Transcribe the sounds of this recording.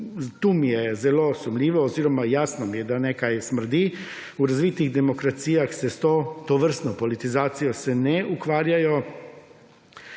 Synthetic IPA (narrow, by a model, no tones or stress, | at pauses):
t̪uːmijɛzɛlosumlʲiːʋoːziːɾɔmajaːsnɔmijɛd̪anekajsmr̩d̪i | uɾazʋiːt̪iɣd̪emokɾat̪sijaxsɛst̪ot̪oʋr̩st̪nopolit̪izaːt̪sijosɛnɛukʋaːɾjajo